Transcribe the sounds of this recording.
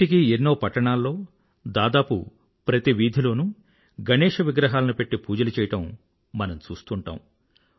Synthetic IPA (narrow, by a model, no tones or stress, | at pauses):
ik̬ienːoːpɐʈːɐɳaːlːo̞ː | d̪aːd̪aːpṵ | pɾɐt̪iʋiːd̪ʱilo̞ːnu | ɡɐnɛːʂɐʋiɡɾɐɦaːlɐnupe̞ʈːipuːd͡ʒɐlut͡ʃɛːjɐʈɐm | mɐnɐmt͡ʃuːst̪uɳʈa̰ːm